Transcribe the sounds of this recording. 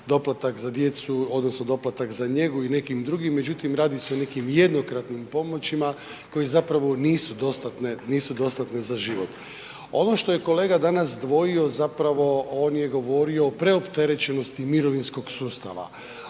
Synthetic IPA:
d̪o̞plat̪akzad̪je̞t̪suo̞d̪nosno̞d̪o̞plat̪akzaɲe̞ɡuine̞kimd̪ɾuɡimːe̞d͡ʑut̪imɾaːd̪iseo̞ne̞kimje̞d̪no̞kɾat̪nimpo̞mo̞t͡ɕima | ko̞je̞zapɾaʋo̞niːsud̪o̞st̪at̪neniːsud̪o̞st̪at̪nezaʒiʋo̞t̪ | o̞noʃt̪o̞je̞ko̞le̞ːɡad̪anasd̪ʋo̞io̞zapɾaʋo̞oːnje̞ɡo̞ʋo̞ɾio̞ːpɾe̞opt̪e̞ɾe̞t͡ɕe̞no̞st̪imiɾo̞ʋinsko̞ɡsuːst̪a̰ʋa̰

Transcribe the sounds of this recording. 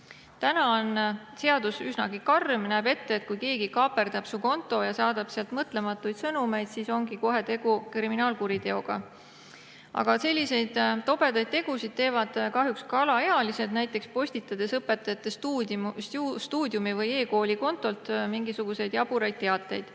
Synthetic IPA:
t̪ænɑon | se̞ɑd̪̥usysnɑɡikɑrmnæebe̞t̪ːeːt̪̚kujke̞ːɡ̥ikɑːpe̞rd̪ɑb̥suko̞nt̪ˑo̞jɑsɑːd̪̥ɑb̥seɑlt̪mɤt̪ˑle̞mɑt̪ːˑujd̪sɤnume̞jd̪̥siso̞ŋɡ̥iko̞ɦe̞t̪e̞ɡ̥ukriminɑːlkuɾid̪e̞o̞ɡ̥ɑ̰ | ʔɑ̰ɡ̥ɑse̞lʲːise̞jd̪̥t̪ːo̞pe̞d̪ɑjd̪̚t̪e̞ɡ̥usid̪̥̚t̪e̞ːvɑd̪̥kɑɦjukskɑlɑeɑlise̞d̪næjt̪ˑːe̞kspo̞sʲt̪it̪ːˑɑd̪̥e̞sɤpːˑe̞t̪ːˑɑjɑt̪ːˑest̪usst̪uːd̪ʲjumivɤje̞ːko̞ːlʲiko̞nt̪ːˑo̞lt̪miŋɡisuɡ̥use̞jd̪̥jɑb̥uɾɑjd̪̚t̪ːe̞ɑt̪ːˑe̞̰jd̪̥

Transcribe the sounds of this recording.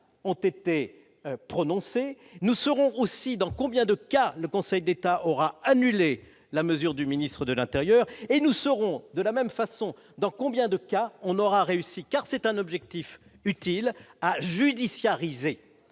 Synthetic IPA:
ɔ̃t̪et̪e | pχɔnɔ̃se | nusɔʁɔ̃osid̪ɑ̃kɔ̃bjɛ̃d̪əkaləkɔ̃sɛjd̪et̪aʔɔʁaanyle | laməzyʁd̪yminist̪χəd̪əlɛ̃t̪eʁjœʁenusɔʁɔ̃d̪əlamɛmfasɔ̃ | d̪ɑ̃kɔ̃bjɛ̃d̪əkaɔ̃nɔʁaʁeysikaʁsɛt̪ɛ̃nɔbʒɛk̚t̪if | yt̪ilaʒyd̪isjaʁize

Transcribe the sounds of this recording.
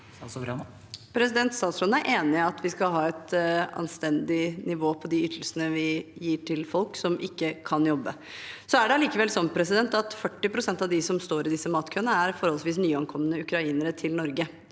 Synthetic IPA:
pʰɾɛsɪd̪ɛnt̪st̪ɑːt̪sɾɔnæɾʔeːnɪɑt̪ʰʋɪskɑɦɑːɛt̪ɑ̰nst̪ɛnd̪ɪnɪʋoːpʰɔd̪ɪʏt̪ʰəlsənəʋɪjiːʈʰɪlfɔlksɔmʔɪkːəkʰɑnjɔbːə | sɔæɖɛɑliːkəʋɛlsɔmpʰɾɛs̬ɪd̪ɛnt̪ɑt̪fœʈːɪpʰɾʊsɛnt̪ɑʋd̪ɪsɔmst̪oːɾɪd̪ɪsːəmɑːt̪kʰœənəæɾfɔɾhɔlsʋiːs̬nyːɑŋkʰɔmːənəʉkɾɑiːnəɾət̪ʰɪlnɔɾɡə

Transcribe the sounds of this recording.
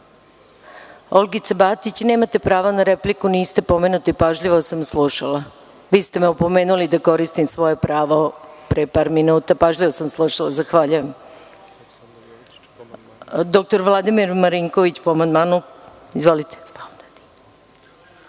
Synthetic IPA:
olˠɡit̪seabaːt̪it͡ɕneːmat̪e̞pɾaːʋanaɾeplikuniːst̪e̞po̞me̞ːnut̪ipaʒʎiʋosamslˠuʃala | ʋiːst̪emeupo̞meːnulid̪ako̞ɾist̪imsʋo̞jepɾaːʋo̞pɾepaːɾminuːt̪apaʒʎiʋosamslˠuʃalazaxʋaːʎujem | d̪ok̚t̪o̞ɾʋlˠad̪imiɾmaɾiŋko̞ʋit͡ɕpoamand̪maːnu | izʋo̞lit̪e̥ad̪ad̪

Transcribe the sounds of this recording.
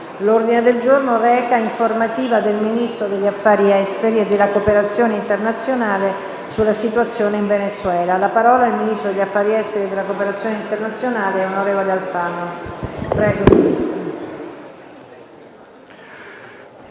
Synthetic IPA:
lord̪ined̪eld͡ʒornorɛːkaiɱformat̪iːvad̪elminist̪ɾod̪eʎːafːaːɾiɛst̪eɾied̪elakopeɾat̪sːjoːneint̪ernat̪sːjonaːle | sulːasit̪uat̪sːjoːneiɱvenet̪sːwɛːlalapaɾɔːlaelminist̪ɾod̪eʎːafːaːɾiɛst̪eɾied̪elakopeɾat̪sːjoːneint̪ernat̪sːjonaːleɛonoɾɛːvolealfanːopɾɛːɡominist̪ɾo

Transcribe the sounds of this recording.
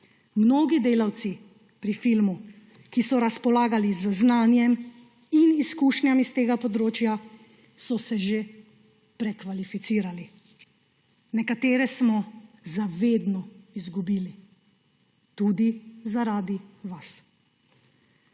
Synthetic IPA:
mnoːɡid̪eːlawt̪si | pɾifilmu | kisɔɾaspɔlaːɡalizznaːnjɛm | iniskuːʃnʲjamist̪eːɡapɔd̪ɾoːt͡ʃja | sɔsɛʒe | pɾɛkʋalifit̪siːɾali | nɛkat̪eːɾɛsmɔzaʋeːd̪nɔizɡubiːli | t̪uːd̪izaɾaːd̪iʋas

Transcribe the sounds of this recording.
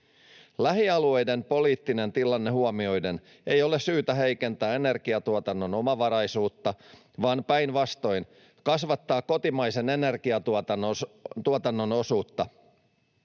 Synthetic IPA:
læɦiɑlue̞jde̞npo̞liːt̪ːine̞nt̪ilɑnːe̞huomio̞jden | e̞jo̞lessyːt̪æɦe̞jke̞nt̪æːe̞ne̞rɡiɑt̪uot̪ɑnːo̞no̞mɑʋɑɾɑjsuːt̪ːɑ | ʋɑːnpæjnʋɑst̪o̞jn | kɑsʋɑt̪ːɑːkkːo̞t̪imɑjse̞ne̞ne̞rɡiɑɑt̪uot̪ɑnːo̞no̞suːt̪ːɑ

